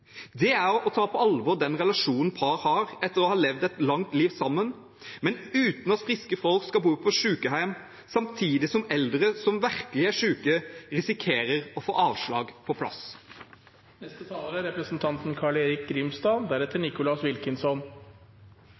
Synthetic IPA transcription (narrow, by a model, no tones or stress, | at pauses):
d̪ɛæɾɔt̪ʰɑːpʰɔɑlʋɔɾd̪ɛnɾɛlɑʃuːnən̩pʰɑɾhɑːɾɛt̪ːəɾɔhɑːlɛʋd̪ɛt̪lɑŋt̪liːʋsɑmːən | mɛnʉːt̪n̩ɑt̪fɾɪskəfɔlkskɑbuːpʰɔʂʉːkəɦæɪm | sɑmt̪ʰiːd̪ɪsɔmɛld̪ɾəsɔmʋæɾkəlɪæʂʉːkəɾɪsɪkʰeːɾəɾɔfo̰ːʔɑːʋʂɭɑ̰ːɡpʰɔpʰlɑ̰s | nɛst̪ət̪ʰɑːləɾəɾɛpɾəsn̩t̪ʰɑnt̪n̩kʰɑɭeːɾɪk̚ɡɾɪmst̪ɑːnd̪æɾɛt̪ːəɳɪkʊlɑsʋɪlkənsɔn